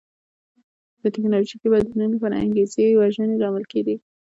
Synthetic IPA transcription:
d̪̥ət̪ɪknɑloʒikebad̪unənapɑɾa̰a̰ŋɡezewaʒəneɾɑməlkeɡi

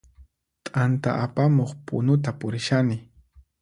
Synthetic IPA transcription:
t̪ʼant̪a̰ʔapamoχpʊ̰nʊt̪apʊɾɪʃanɪ

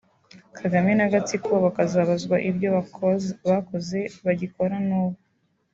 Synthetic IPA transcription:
kʰaɡamenaɡat͡sikoβakazaβazɡwaʔibɟo̞ | βako̞ze̞βaɟiko̞ɾanuːβa

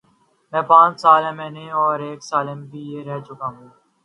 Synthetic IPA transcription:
mɛ̃ːpãːt͡ʃsaːlɛ̃ːmɛ̃ːnẽːɔːɾeːksaːlẽːmbʱiːjeːɾɛɦt͡ʃʊkaːɦũː

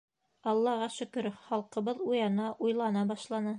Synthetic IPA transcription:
ɑlˠːɑʁɑʃɵ̆kɾχɑlˠqɤ̆βɤðujɑnɑʔujlˠɑnɑbɑʃlˠɑnɤ

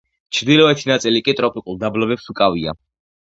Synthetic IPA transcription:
t͡ʃʰɾd̪ilɔɛt̪ʰinat̪sʼilikʼit̪ʼɾɔpʼikʼulˠd̪ablɔbɛpsukʼavia̰

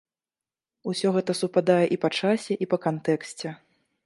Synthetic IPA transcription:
usʲɔɣɛt̪ɐsupad̪ajɛʔipat͡ʂasʲɛʔipɐkant̪ɛksʲt͡sʲɛ

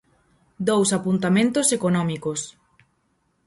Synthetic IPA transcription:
d̪owsapunt̪amẽnt̪osekonɔ̃mikos

